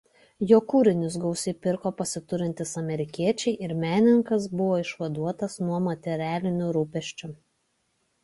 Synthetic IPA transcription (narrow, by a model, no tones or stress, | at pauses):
joːkuːɾʲɪnʲʊs̬ɡɐʊsʲɪpʲɪɾkoːpɐsʲɪt̪ʊɾʲɪnʲt̪ʲɪsɐmʲɛɾʲɪkʲiɛt͡ʃʲɛɪʔɪɾmʲæːnʲɪŋkɐs̬bʊʋoːɪʃʋɐd̪uɔt̪ɐsnuɔmɐt̪ʲɛɾʲæːlʲɪnʲʊɾuːpʲɛʃʲt͡ʃʲʊ